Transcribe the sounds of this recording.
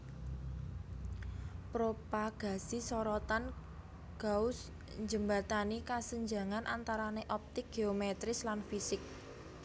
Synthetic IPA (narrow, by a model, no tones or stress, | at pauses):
pɾopaɡ̥a̤sisɔɾɔt̪an | ɡ̥aʊs | ɲd͡ʒəmbat̪anikasəɲd͡ʒa̤ŋanʔant̪aɾaneʔɔp̚t̪ɪk̚ɡ̥eomɛt̪ɾɪslanfisɪk̚